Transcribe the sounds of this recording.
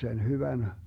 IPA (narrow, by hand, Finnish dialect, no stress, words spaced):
sen hyʋæn